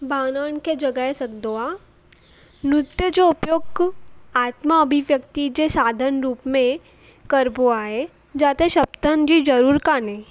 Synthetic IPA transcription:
baːnaːnked͡ʒɐɡəɦesɐk̚d̪oa | nɾʊt̪jəd͡ʒoʊpjoːɡaːt̪maəbʱiʋjəkt̪id͡ʒesaːd̪ʱənɾuːpmẽ | kəɾbʱoaːe | d͡ʒaːt̪eʃɐpt̪ənd͡ʒid͡ʒɐɾuːɾkanẽː

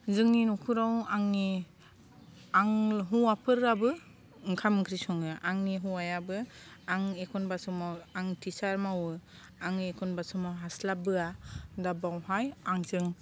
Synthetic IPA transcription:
zɯŋninɔkʰuɾawaŋni | aŋɦuapʰɯɾabɯ | ŋkʰamɯkʰɾisɔŋɯʔaŋniɦuajabɯaŋekʰɔnbasɔmawaŋtʰisaɾmawɯ | aŋniekʰɔnbasɔmawɦaslabɯadabawɦajaŋzɯŋ

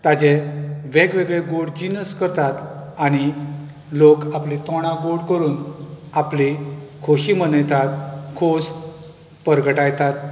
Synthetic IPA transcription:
t̪ad͡ʑeʋeɡʋeɡɭeɡoɽd͡ʑinəskəɾt̪at̪aɽ̃i | lokaplit̪ɔɽ̃ãɡoɽkəɾuːnaplikʰoɕimənəjt̪at̪kʰos | pəɾɡəʈajt̪at̪̚

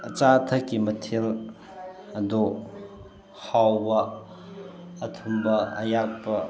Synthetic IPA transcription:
ət͡ʃat̪ʰɐkːimɐtʰil | ɐd̪o | hawbɐ | t̪ʰumbɐɐjak̚pɐ

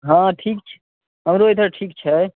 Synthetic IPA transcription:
ɦãʈʰik̚t͡ʃʰ | ɦəmɾoet̪ʰəɾʈʰikt͡ʃʰɛ

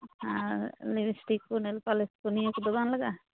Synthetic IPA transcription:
hãlibisi̥ʈikːunelpaleskunijakud̪ɔbanlaɡa

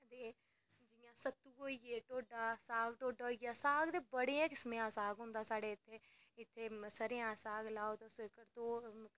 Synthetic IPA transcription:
d̪eː | d͡ʒɪjãːsət̪ːuːoːieːʈoːɖaːsaːɡʈoːɖaːiːaːsaːɡd̪eːbəɽeːãːkɪsmẽãːsaːɡɦʊ̃nd̪aːsaːɽeːɪt̪ʰːeː | ɪt̪ʰːeːsəɾejãːsaːɡlaːoːt̪õːsɪkəɾt̪õː

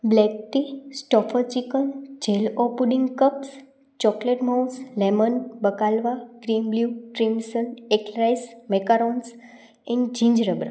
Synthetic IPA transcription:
blɛk̚t̪isʈɔfʰət͡ʃikənd͡ʒelɔpuɖĩŋɡkəps | t͡ʃɔkleʈmaunslemənbəkalʋaɡ̥ɾimbljuʈɾimsənekɾajsmekaɾons | ɛ̃nɖd͡ʒĩɲd͡ʒɾəbɾa

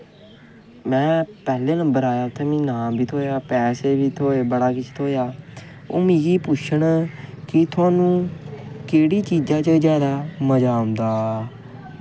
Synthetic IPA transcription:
mɛ̃ːpɛːleːnə̃mbəɾaːjaːʊt̪ʰːeːmĩːnãːbʱiːt̪ʰoːjaːpɛːseːbiːt̪ʰoːeːbəɽaːkɪt͡ʃʰt̪ʰoːjaːo̰ːmĩːɡiːpʊt͡ʃʰəɳkɪt̪ʰʊãːnũːkeːɽiːt͡ʃiːd͡ʒãːt͡ʃəzjaːd̪aːməd͡ʒaːɦʊ̃nd̪aː

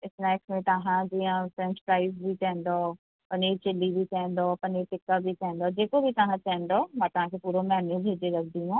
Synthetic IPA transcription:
ɪsnɛːksmẽt̪ɐɦãd͡ʒijãfɾɛ̃nspɾaːɪzbʱikɛ̃ɦːnd̪o | pɐnit͡ʃɪlːibʱikɛ̃ɦn̆d̪oːpɐniʈɪkːabʱikɛ̃ɦɛ̃nd̪oːd͡ʒeːkobʱit̪ɐɦãtɛ̃ɦːnd̪omãːt̪ɐɦãkʰepuːɾomɛːnebʱeːd͡ʒeɾɐk̚ʰd̪iɦũː

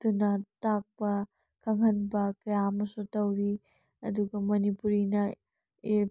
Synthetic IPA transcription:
dunɐtak̚pɐ | kʰɐŋɦɐnbɐkɐjaɐmɐsutɐwɾi | ɐ̰duɡɐmɐnipuɾinɐ | e

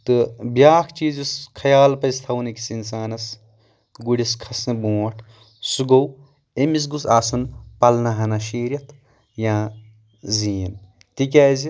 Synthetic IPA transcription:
t̪ɨbjaːkʰt͡ʃiːzuskʰɐjaːlpɐst̪ʰɐwniki̥sins̬aːnɐs | ɡuɽiskʰɐsɨbũːɐʈʰ | suɡow | emis̬ɡusaːsɐnpɐlnɐɦɐnɐʃiːɾʲjɐt̪ʰ | jãː | ziːn | t̪ikʲaːzi

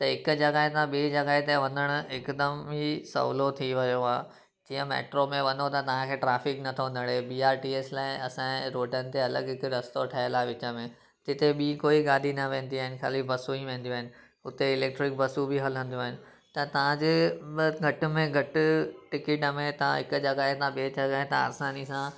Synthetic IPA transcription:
t̪ɐɦɪkʊd͡ʑɐɡaːɦet̪ãɓiːd͡ʑɐɡaːɦet̪aʋɐ̃nd̪əɽ̃ʊɪkd̪əmɦisɐ̰ʋlot̪ʰiʋɐjoɦaː | d͡ʑiːə̃mḛːʈɾomẽʋɐnot̪ɐt̪ɐʋ̤ãkʰeːʈɾaːfɪknɐt̪ʰoʋɐ̃nd̪əɽ̃ebiːaːɾʈiːeːslaːɪɐsãɾoːʈənɪ̆t̪eɐlə̰ɡɦɪkɾɐst̪oʈʰɐjəlaːʋɪt͡ɕəmẽ | d͡ʑɪt̪eɓiːkoːiɡaːd̪ʱinɐʋẽːn̆d̪iaːɦɪnɪ̆kʰa̰ːlibɐsuiʋẽːn̆d̪ioaːɦɪnɪ̆ | ʊt̪eɪleːk̚ʈɾɪk̚bɐsubʱɪɦɐlə̃nd̪ijoaːɦɪnɪ̆ | t̪ɐt̪ɐʋ̤ãd͡ʑeɡʱɐʈʊ̆mẽɡʱɐʈʊʈɪkɪʈəmẽt̪ɐ̤ã̰ɦɪkʊd͡ʑɐɡaɦẽt̪ãɓeːt͡ɕɐɡaɦẽt̪ãɐ̰ɾsaːnisã

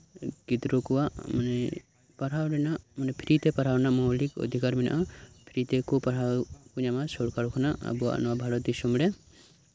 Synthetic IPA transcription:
ɡid̪ɾokuwamɐnɛ | pɐɾ̤awɖɛnamɐnepʰiɾit̪epɐɾ̤awnamɔwlikɔ̰d̪ʱikaɾmina̰ʔapʰiɾit̪ekupɐɾawkuɲamasɔɽkaɾukʰɔnaɐ̰bua̰nɔabʱalɔt̪isumɽɛ

